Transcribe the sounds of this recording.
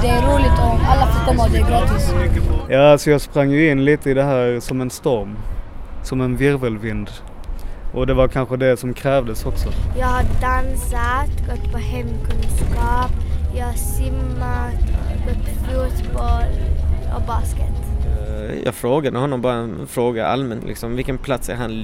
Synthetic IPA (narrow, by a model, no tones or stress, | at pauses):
d̪ɛæɾuːlɪt̪ɔalːafɔt̪ɔmad̪ɪɡɑt̪ɪsmʏkːəjɑːalsɔjɑːɡspɾaŋːjɵɪnːliːt̪əɪd̪ɛɦæːɾsɔmɛnst̪ɔɾmsɔmɛnvɪɾvəlvɪnd̪ | ʔɔd̪ɛvaɾkʰanɧəd̪ɛsɔmkʰɾɛːvd̪əsɔksɔjaɪhɑɖansat̪ɡɔt̪ːpʰɔhɛmkʰʉnskɑːpjahɑsɪmːat̪ɡɔt̪ːfjuːt̪bɔlɔ̰bɑːskət̪ | jɑ̰ːɡfɾoːɡad̪əhɔnːɔmbɑːɾa | fɾoːɡaa̰lmɛnlʔɪ̰ksɔmvɪlkənpʰlat̪sæ̰ɾhan